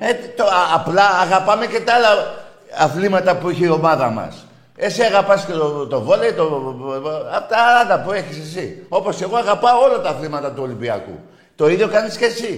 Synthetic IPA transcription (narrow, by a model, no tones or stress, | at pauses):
et̪oːplɐːɣɐpɐmece̞t̪ɐɐlɐ | ɐθlimɐt̪ɐpuiçiio̞mɐðɐmɐ̰s | e̞siɐɣɐpɐscet̪ot̪o̞vo̞leit̪o | ɐpot̪ɐɐlɐpue̞çisesio̞po̞se̞ɣo̞ɐɣɐpɐoo̞lɐt̪ɐθlimɐt̪ɐt̪uo̞limbiɐ̰kṵ | t̪o̞iðjo̞kɐnisce̞si